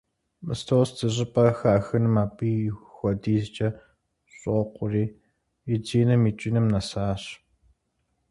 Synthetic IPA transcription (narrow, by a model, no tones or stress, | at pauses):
mɨ̰stʰowstʰɨɕ̬ʼɪpʼɐxaːxɨnɨmaːpʼiːxʷɔdiːzt͡ʃʼɐ | ɕʼoqʷʊriː | jɪd͡ʒiːnɐmiːt͡ʃʼinɐmnɐsaːɕ